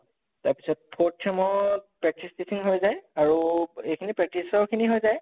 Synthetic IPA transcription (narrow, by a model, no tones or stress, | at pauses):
taɹpi̥sɔt̚pʰotʰɛmɔpɹɛk̚tistisiŋɦojzajaɹuejkʰinipɹɛk̚tisɔɹkʰiniɦojzaj